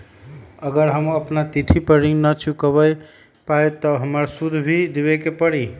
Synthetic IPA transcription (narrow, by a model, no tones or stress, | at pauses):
əɡəɾɦəməpnat̪it̪ʰipəɾiŋnət͡ʃʰukəβəj | pajt̪əɦəməɾsud̪ʱbʱid̪ebekepəɽi